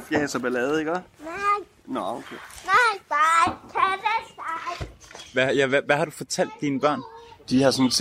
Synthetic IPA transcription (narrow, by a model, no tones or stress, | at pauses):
fjɛsɐb̥elɛːð̩ˠiɡ̥ɒna | nɔokʰeːnaɪb̥akʰædesaɪʋæjæʋæʋæhɑ̈ɾufɒ̽t͡sʰæl̰d̥ːiːnəb̥ɶ̰ɐ̰nd̥ihɑ̈sɒne̥s